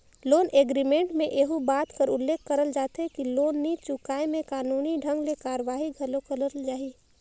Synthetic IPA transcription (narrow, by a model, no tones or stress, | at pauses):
loːnʔeːɡɾimẽɳʈmẽʔeːɦubaːt̪kəɾʊlːeːkʰːɐɾəld͡ʒaːt̪ekiloːnːit͡ʃʊkaːimẽkaːnuːniɖʱə̃ŋɡlekaːɾəʋaːɦiɡʱɐlokələɾəld͡ʒaːɦiː